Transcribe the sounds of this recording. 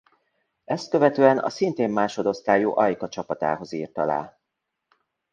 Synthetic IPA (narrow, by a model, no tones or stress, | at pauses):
ɛst̪̚køvɛt̪øːɛnɒ̰sint̪eːmːaːʃo̞d̪o̞st̪aːjuːʔɒjkɒt͡ʃɒpɒt̪a̰ːɦo̞ziːrt̪ɒla̰ː